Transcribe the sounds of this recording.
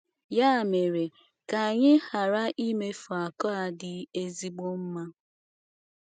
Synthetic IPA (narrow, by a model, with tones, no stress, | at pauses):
ja˦˨me˨ɾe˨ | ka˨a˨ɲɪ˦ha˨ɾa˦ʔi˦me˦fɔ˨a˨kɔ˦a˦˨dɪ˨e˦zi˦ɡ͡bo˦m̩˦ma˦